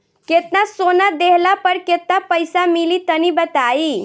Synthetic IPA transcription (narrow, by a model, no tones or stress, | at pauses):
ket̪nasonad̪eɦlapəɾket̪̚napəjsamilit̪ənibət̪ai